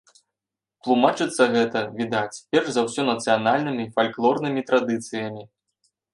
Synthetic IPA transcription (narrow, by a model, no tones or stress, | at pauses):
t̪lˠumat͡ʂɨt̪sːɐɣɛt̪ɐvʲid̪at͡sʲpʲɛrzɐwsʲɔnɐt̪sɨjanalʲnɨmʲiːfalʲklˠɔrnɨmʲit̪ɾad̪ɨt̪sɨjɐmʲi